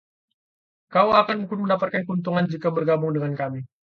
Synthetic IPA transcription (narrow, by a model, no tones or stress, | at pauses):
kauakanmuŋkɪnməndapat̪̚kankunt̪̬uŋand͡ʒikabərɡabʊŋdəŋankami